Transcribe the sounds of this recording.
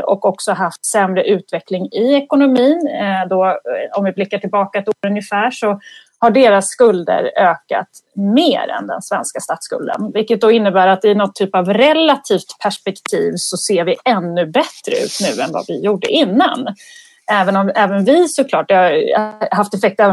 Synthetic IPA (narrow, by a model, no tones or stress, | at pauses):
ɔ̰kɔksɔɦaft̪sɛmɾəʔʉ̟ːt̪vɛklɪŋɪɛkʊnʊmiːnd̪ɔɔmvɪblɪkːaʈʰɪlbɑːkaɛt̪oːɾɵnjəfæːʂɔ | haɖeːɾasːkɵld̪ə̰ɾøːka̰t̪ | meːɾɛ̰nd̪ɛ̰nsvɛnskast̪ɑːt̪skɵ̰ld̪ə̰nvɪkːət̪̚d̪ɔɪnːəbæːɾat̪ːɪnɔt̪ʰːyːpavɾɛlat̪ʰiːft̪pʰæʂpɛkt̪ʰiːvsɔseːɾvɪɛnːɵbɛt̪ɾə̰ʉ̟̰ːt̪nʉ̟̰ːɛnva̰vɪjuːɖə̰ʔɪnːa̰n | ɛːvənɔmɛːvənvɪsɔkʰlɑːʈ̚d̪ɛaɦaft̪ɛfɛk̚t̪ɛv